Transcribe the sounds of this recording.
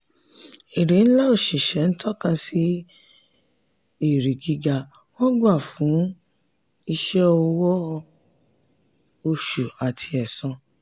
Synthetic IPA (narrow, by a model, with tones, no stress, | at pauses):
e˨ɾe˨˦ñ̩˦la˦o˦˨ʃi˨ʃɛ˨˦n̩˦tʰɔ˦kã˧si˦ | e˦˨ɾi˨ɡi˦ɡa˧ | wɔ̃˦ɡa˦˨fũ˨˦ | i˧ʃɛ˦ɔ˧wɔ˦˧ | o˧ʃu˨a˨tʰi˧ɛ˨sɔ̃˧